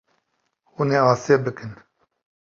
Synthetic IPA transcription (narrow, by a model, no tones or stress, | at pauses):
uneːaːseːbɨkɨn